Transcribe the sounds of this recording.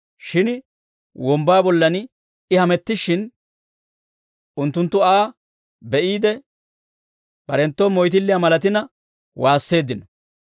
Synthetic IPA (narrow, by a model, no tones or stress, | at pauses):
ʃɪn | wɔmbaːbɔlːɐn | ɪhɐmɛt̪ːɪʃːɪn | ʔʊnt̪ːʊnt̪ːʊaː | bɛʔiːd̪ɛ | bɐɾɛnt̪ːoːmɔjt̪ɪlːɪjamɐlɐt̪̬ɪnɐ | waːsːe̞ːd̪ːɪnɐ